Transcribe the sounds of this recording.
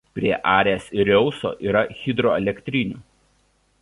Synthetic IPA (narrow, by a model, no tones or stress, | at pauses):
pʲɾʲiɛʔɑːɾʲɛːsɪɾʲɛʊso̰ːʔiːɾɐxʲɪd̪ɾoɛlʲɛkʲt̪ʲɾʲɪnʲuːˑ